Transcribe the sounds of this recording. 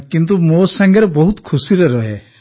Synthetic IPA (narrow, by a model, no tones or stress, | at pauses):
kint̪̬umosaŋɡɔɾebɔɦut̪kʰusiɾɔɾɔɦe